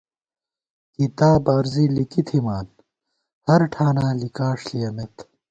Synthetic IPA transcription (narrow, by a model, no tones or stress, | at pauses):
kit̪aːbaːɾzilikit̪ʰimaːn | hɐɾʈʰaːnaːlikaːʂlijɐmet̪